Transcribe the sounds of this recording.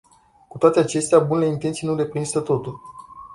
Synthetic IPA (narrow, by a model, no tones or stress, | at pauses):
ku̥t̪oat̪e̞at͡ʃe̞st̪eabuneleint̪e̞nt̪sijnuɾe̞pɾinsət̪o̞t̪ul